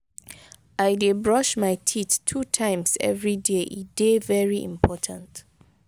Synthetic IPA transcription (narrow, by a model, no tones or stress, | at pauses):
aɪdebɹɔʃmaɪtʰittʰutʰãɪ̃msɛ̰vɹideʔidevɛɹiʔḭ̃mpʰɔtʰãnt